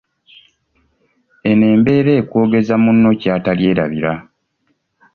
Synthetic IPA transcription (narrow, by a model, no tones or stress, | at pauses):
e̞ne̞ːmbe̞ːɾe̞ːkwo̞ːɡe̞zamunːo̞caːtalje̞ːɾa̰βiɾa